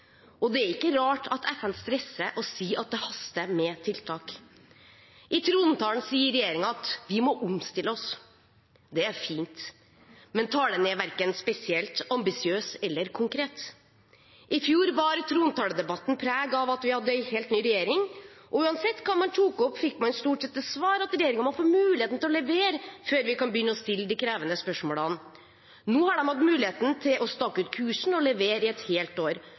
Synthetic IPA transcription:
ʔɔd̪ɛæɾɪkːəɾɑːʈʰɑt̪ʰɛfənst̪ɾɛsːəʔɔsiːɑt̪̚d̪ɛhɑst̪əmɛt̪ʰɪlt̪ʰɑːk | ʔɪt̪ʰɾuːnət̪ʰɑːln̩siːəɾɛjeːɾɪŋɑɑt̪ʋɪmɔʔʊmst̪ɪlːəɔs | d̪ɛæɾfiːnt̪ | mɛnt̪ʰɑːləneːʋæɾkənspɛsɪɛlt̪ɑmbɪsɪøːsɛlːəɾkʰʊŋkʰɾeːt̪ | ʔɪfjuːɾbɑːɾət̪ʰɾuːnt̪ʰɑːləd̪ɛbɑt̪ːn̩pʰɾæːɡɑʋɑt̪ʋɪhɑd̪ːəɛheːlt̪nyːɾɛjeːɾɪŋʔɔʉːɑnsɛt̪ːkʰɑnmɑnt̪ʰuːkɔpːfɪkːmɑnst̪uːʈsɛt̪̚ːəsʋɑːɾɑt̪ɾɛjeːɾɪŋəɾmɑnfoːɾmʉːlɪeːt̪n̩t̪ɪlɔlɛʋeːɾəføːɾʋɪkɑnbjʏnːəɔst̪ɪlːəd̪iːkʰɾæːʋənəspœʂmoːlɑn | nuːhɑɖɛmhɑd̪mʉːlɪheːt̪n̩t̪ʰɪlʔɔst̪ɑkːʉːt̪kʰʉːʂɳ̩ɔlɛʋeːɾɪɛt̪heːlt̪oːɾ

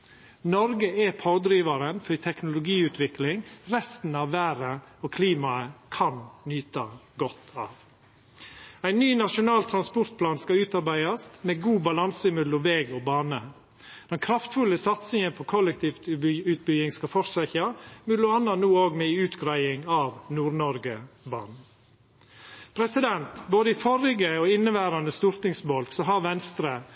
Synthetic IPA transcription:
nɔɾɡəɛpʰɑːd̪ɾiːʋɑɾənfɔɾt̪ʰɛknʊlʊɡiːʉːt̪ʰʋɪklɪŋɾɛst̪n̩ɑːʋʋæːɾəokʰliːmɑəkʰɑnnyːt̪ɑɡɔt̪ʰːɑ̰ːʋ | æɪnːyːnɑʂʊnɑːlt̪ʰɾɑnspɔɾt̪̚pʰlɑːnskɑʉːt̪ɑɾbæɪɑst̪mɛɡuːbɑlɑnsəɪmʉd̪lɔʋɛːɡɔːbɑːnə | d̪̥ɛnkʰɾɑft̪fʉləsɑt̪sɪŋənpʰɔkʰɔlɛk̚t̪ʰiːft̪ʉt̪̚bʏjɪŋskɑfɔɾsæçɑmʉd̪ʊɑnɑnuːoːɡmɛʉːt̪ɡɾæɪɪŋɑːʋnuːɾnɔɾɡəbɑ̰ːnn̩ | pʰɾɛsɪd̪ɛnt̪boːd̪əɪfɔɾɪɡəoːɪnːəʋæːɾɑnd̪əst̪uɾt̪ɪŋsbɔlksɔɦɑɾʋɛnst̪ɾə

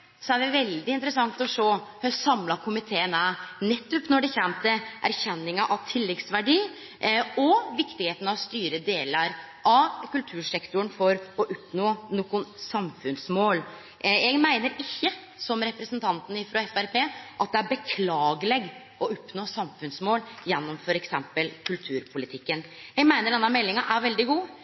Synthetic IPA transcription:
sɔæɖɛʋɛld̪ɪɪnt̪ɾəsɑŋt̪ɔʂoːhøsɑmlɑkʰʊmɪt̪ʰeːənænɛt̪ːɔpnɔɖɛçɾæmt̪əʔæ̰ɾçɛnːɪŋɑʔɑʋt̪ʰɪlːɛɡ̪sʋæɖiː | ɔʋɪkt̪ɪheːt̪ən̩ɑʋst̪yːɾəd̪eːləɾ | ʔɑʋkʉlt̪ʰʉːʂɛkt̪ʊnfɔɾɔʔʊpnoːnoːkʊnsɑmfʉnsmoːl | jɛɡmæɪnəɾɪçːə | sɔmɾɛpɾəsnt̪ʰɑnt̪n̩ɪfɾɑɛfæɾpʰeːʔɑt̪̚d̪ɛæɾbəkʰlɑːɡəlɛɡ | ʔɔɔpnoːsɑmfʉnsmoːljɛnːɔmfɔɾɛksɛmpəlkʰʉlt̪ʰʉːɾpʰʊlɪt̪ʰɪkːənjɛɡmæɪnəɖɛnːɑmɛlːɪŋɑʔæɾʋɛld̪ɪɡuː

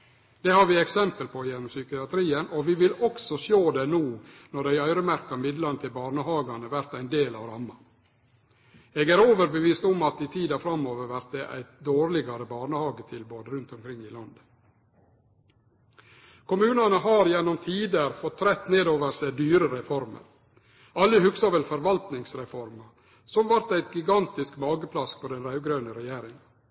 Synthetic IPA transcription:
d̪̥ɛhɑɾʋɪɛksɛmpəlpʰɔjɛnːɔmsʏkɪɑt̪ʰɾiːənʔɔʋɪʋɪlɔksɔɕoːd̪ɛnuːnɔɖæɪœʏɾəmæɾkɑmɪd̪lɑnət̪ʰɪlbɑːɳəhɑːɡɑnəʋæɾt̪æɪnd̪eːlɑ̰ːʋɾɑmːɑ | eɡæɾoːʋəɾbəʋiːst̪ɔmɑt̪ɪt̪ʰiːd̪ɑfɾɑmːoːʋəɾʋæɾt̪̚d̪ɛʔæ̰ɪt̪d̪oːɾlɪɡɑɾəbɑːɳəhɑːɡət̪ʰɪlboːd̪əɾʉnt̪ɔmkʰɾɪŋːɪlɑnd̪ | kʰʊmʉːnɑnəɦɑːɾjɛnːɔmt̪ʰiːd̪əɾfɔt̪ʰːɾɛt̪ːneːd̪oːʋəɾsæɪd̪yːɾəɾɛfɔɾmə̰ɾ | ɑlːəhʉksɑʋɛlfɔɾʋɑlt̪nɪŋsɾɛfɔɾmɑ | sɔmʋæɾt̪æɪt̪̚ɡɪɡɑnt̪ɪskbɑːɡəpʰlɑspʰɔd̪ɛnɾɑʉɡɾœʉnəɾɛjeːɾɪŋɑ

